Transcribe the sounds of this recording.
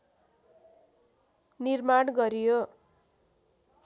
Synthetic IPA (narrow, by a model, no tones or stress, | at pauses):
nirmaɽɡʌɾijo